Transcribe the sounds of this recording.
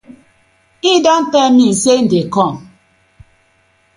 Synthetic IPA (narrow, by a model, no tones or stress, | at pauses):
idan̩tɛmisen̩dekɔŋ